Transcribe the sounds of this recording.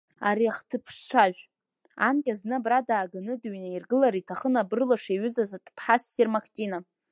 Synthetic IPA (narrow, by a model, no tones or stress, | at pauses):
a̰ɾiaχtʰɨpʰʂʈ͡ʂʷʰaʒᶣʷ | ankʲʼaznɨbradaːɡanɨdɥnairɡɨlaɾitʰaχənabrɨlaʂeɥʏzazatʰpʰħasːirmakʰtʼina